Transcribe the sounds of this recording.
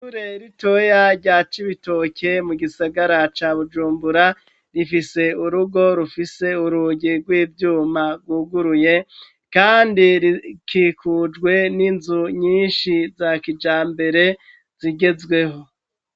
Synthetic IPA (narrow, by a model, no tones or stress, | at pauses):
suɾeɾito̞jaɾɟat͡ʃiβito̞ke̞muɡisaɡaɾat͡ʃaːβud͡ʒuːmbuɾa | ɾifise̞uɾuɡo̞ɾufise̞uɾuɟiɡwiːvjuːmaɡwuːɡuɾuje̞ | kaːndiɾikʰiːkʰud͡ʒɡwe̞ninzuɲiːnʃizakid͡ʒaːmbe̞ɾe̞ | z̥iɡe̞zɡwe̞ɦo̞